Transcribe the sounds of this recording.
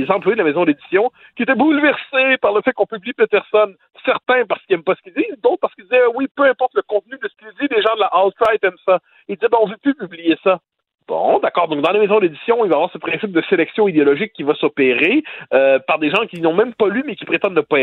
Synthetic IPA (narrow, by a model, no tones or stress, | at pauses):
ezɑ̃plwjed̪əlamezɔ̃d̪ed̪i̥sjɔ̃ | kʲiet̪ɛbulvɛʁsepaʁləfɛkɔ̃pybliplet̪̚ɛʁsɔn | sɛʁt̪ɛ̃paʁsə̥kiɛmpasə̥kʲild̪iːzd̪oʊt̪̚paʁsə̥kid̪izɛwipøɛ̃pɔʁt̪ləkɔ̃t̪̚nyd̪əsə̥kild̪ileʒɑ̃d̪əlaʔalt̪ʁajt̪ɛmsa | eld̪izɛbɛɔ̃ʒvøpypyblijesa | b̥ɔ̰̃d̪akɑːʁd̪ɔ̃k̚d̪ɑ̃lamezɔ̃d̪ed̪isjɔ̃ilvavwaːʁsəpχɛ̃sɪp̚d̪əselɛksjɔ̃id̪eɔlɔʒɪkʲːivasɔpeʁeøpaʁd̪eʒɑ̃kʲinɔ̃mɛ̃mpalymɛkʲi̥pχet̪ɑ̃d̪nəpaɛ